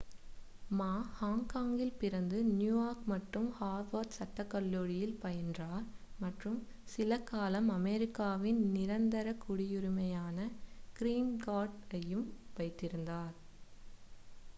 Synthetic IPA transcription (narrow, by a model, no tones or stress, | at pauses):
maːhaːŋkaːŋɡɪlpɪɾɐnd̪ɯnjuːjaːɾkmɐʈrɯmhaːɾʋɐɾʈsɐʈːɐkːɐlːoːɻɪjɪlpɐjɐndraːɾmɐʈrɯm | sɪlɐkːaːlɐmɐmɛɾɪkːaːʋɪnnɪɾɐnd̪ɐɾɐkːʊɽɪjʊɾʊmɐjaːnɐkɪɾiːnɡaːɖɐjɯmʋɐɪt̪ːɪɾɯnd̪aːɾ